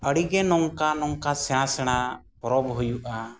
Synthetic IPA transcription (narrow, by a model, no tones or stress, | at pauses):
əɽiɡɛnɔŋkanɔŋkasɛɽ̃asɛɽ̃a | pɔɾɔbɦujuʔa